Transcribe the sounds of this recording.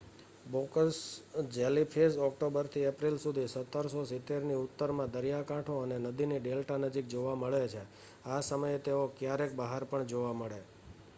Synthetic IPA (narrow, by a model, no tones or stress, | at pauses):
bokəsd͡ʒelipʰesɔk̚ʈobəɾt̪ʰiepɾilsud̪ʱisət̪ːəɾsosɪt̪eɾniʊt̪ːəɾmãd̪əɾijakãʈʰoənenəd̪iniɖelʈanəd͡ʒik̚d͡ʒoʋaməɭet͡ʃʰe | asəməjet̪eokjaɾek̚bəɦaɾpəɳd͡ʒoʋaməɭe